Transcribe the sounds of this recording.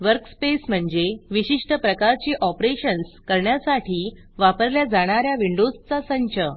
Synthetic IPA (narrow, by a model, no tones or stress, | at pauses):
ʋəɾkspesm̤əɳd͡zeʋiɕiʂʈəpɾəkaɾt͡ɕiːʔɔpɾeɕənskəɾɳjasaʈʰiː | ʋapəɾljad͡zaɽ̃aɾjaʋiɳɖod͡zt͡sasəɲt͡ɕə